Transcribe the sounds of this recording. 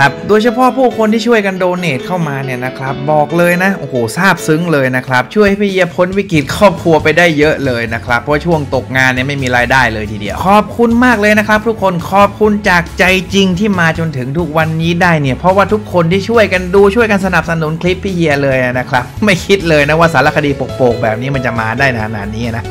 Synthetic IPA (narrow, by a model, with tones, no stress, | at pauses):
a˦˥p̚doː˧jt͡ɕʰa˧pʰɔ˦˥pʰuː˥˩kʰo˧nt̪iː˥˩t͡ɕʰu˥˩əjka˧ndoː˧neː˨˩t̪̚kʰa˥˩wmaː˧ni˥˩ɐna˦˥kʰɾa˦˥p̚bɔː˨˩k̚lɤː˧jna˦˥ʔoː˧˩hoː˨˩saː˥˩p̚sɯ˦˥ŋlɤː˧jna˦˥kʰɾa˦˥p̚t͡ɕʰu˥˩jha˥˩pʰi˦˥˩ji˧ɐpʰo˨˥nwi˦˥kɾi˨˩t̪̚kʰɔː˥˩p̚kʰɾu˧ɐpa˧jdaː˥˩jːɤ˦˥ʔlɤː˧jna˦˥kʰɾa˦˥pʰːɔ˦waː˥˩t͡ɕʰu˥˩əŋt̪o˨˩k̚ŋaː˧nːi˥˩ɐma˥˩jmiː˧ɾaː˧jdaː˥˩jlɤː˧jt̪ʰiː˧˩dḭ˧əɐwkʰɔː˨˩p̚kʰu˧nmaː˥˩k̚lɤː˧jna˦˥kʰɾa˦˥p̚t̪ʰu˦kʰːo˧nkʰɔː˨˩p̚kʰu˧nt͡ɕaː˨˩k̚t͡ɕa˧jt͡ɕi˧ŋt̪ʰiː˥˩maː˧t͡ɕo˧nt̪ʰɯ˩˦ŋt̪ʰu˦˥k̚wa˧nːiː˦˥daː˥˩jni˥˩ɐpʰɾɔ˦˥waː˥˩t̪ʰu˦˥kʰːo˧nt̪ʰiː˥˩t͡ɕʰu˥˩əjka˧nduː˧t͡ɕʰu˥˩əjka˧nsa˧na˨˩p̚sa˧nu˩˦nkʰli˦˥pʰːiː˦˥˩ji˧ɐlɤː˧ja˧˩na˦˥kʰɾa˦˥p̚ma˥˩jkʰi˦˥t̪̚lɤː˧jna˦˥waː˥˩saː˩˦la˧˥˩kʰa˧diː˧po˨˩k̚poː˨˩k̚bɛː˨˩p̚niː˦˥ma˧nt͡ɕa˨˩maː˧daː˥˩jna˦˩˧na̰ː˨˩nːiː˦˥˨na˦˥